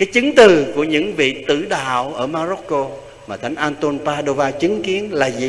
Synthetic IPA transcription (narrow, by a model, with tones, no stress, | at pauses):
kaː˨˦jt͡ɕɨ˨˦ŋt̪ɨ˨˩ku˧˩əɲɨ̰˧˥ŋvḭ˧˨t̪ɨ̰˧˩ɗa̰ː˧˨wʔəː˧˩maː˧zo˦˥t̚ko˧ | maː˨˩t̪ʰa˨˦jŋ̟ʔaː˧nt̪o˧npaː˧ɗo˧vaː˧t͡ɕɨ˨˦ŋki˨˦ənlaː˨˩zḭ˨